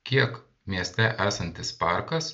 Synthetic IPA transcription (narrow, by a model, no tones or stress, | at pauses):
kʲiɛk | mʲiɛsʲt̪ʲɛʔæːsɐnʲt̪ʲɪspɑˑɾkɐs